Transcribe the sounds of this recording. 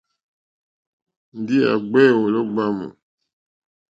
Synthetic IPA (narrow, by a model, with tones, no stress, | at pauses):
n̩˦di˦a̰˨ɡ͡bɛ˦˨wo˨lɔ˦ɡ͡ba˦mṵ˨